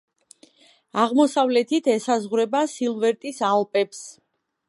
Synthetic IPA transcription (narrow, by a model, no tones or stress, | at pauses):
aʁmɔsavlɛt̪ʰit̪ʰɛsazʁɾɛbasilˠvɛɾt̪ʼisalpʼɛps